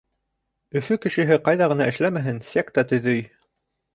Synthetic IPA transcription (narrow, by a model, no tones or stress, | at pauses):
ɵ̆fɵkɘ̆ʃɘ̆ɦɘqɑjðɑʁɤ̆nɑʔɘ̆ʃlæmæɦɘnsæk̚t̪ɑt̪ɵ̆ðɵj